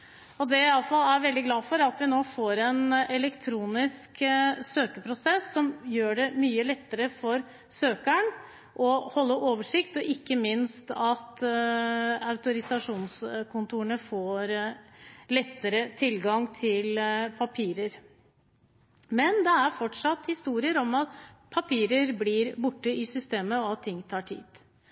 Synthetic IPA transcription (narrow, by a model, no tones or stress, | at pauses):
ɔd̪ɛɪɑləfɑlːæɾʋɛld̪ɪɡlɑːfɔɾɑt̪ʋɪnoːfoːɾɛnɛlɛkt̪ʰɾuːnɪsksøːkəpʰɾʊsɛsːɔmjøːɖɛmyːəlɛt̪ːəɾəfɔɾ | søːkæɳ | ʔɔhɔlːəʔoːʋəʂɪkt̪ɔʔɪkːəmɪnst̪ɑt̪ | ɑʉt̪ʊɾɪsɑʂuːnskʰʊnt̪ʰuːɳəfoːɾ | lɛt̪ːəɾət̪ʰɪlɡɑŋt̪ʰɪlpʰɑpʰiːɾəɾ | mɛnd̪ɛæɾfɔʈʂɑt̪hɪst̪uːɾɪəɾɔmɑt̪pʰɑpʰiːɾəɾblɪɾbʊʈːəɪsʏst̪eːməɔɑt̪ʰːɪŋːt̪ʰɑːʈʰḭːd̪̥